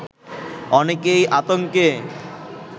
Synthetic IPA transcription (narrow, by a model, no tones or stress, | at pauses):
ɔnekejʔat̪oŋke